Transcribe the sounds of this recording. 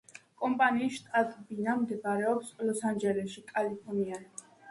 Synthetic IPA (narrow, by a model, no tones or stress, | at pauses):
kʼɔmpʼaniːʃt̪ʼat̪ʼbinamd̪ɛpaɾɛɔpslɔsand͡ʒɛlɛʃikʼalipʰɔnia